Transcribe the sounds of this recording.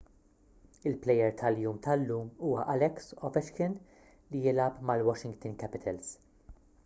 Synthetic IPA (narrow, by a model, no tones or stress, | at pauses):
ɪlplɛjɛɾt̪ʰɐljuːmt̪ʰɐlːuːmuːwɐʔɐlɛksɔvɛʃkɪn | lijɪlɐpmɐlwɔʃɪŋɡt̪ɪnkɛpɪt̪ʰɛls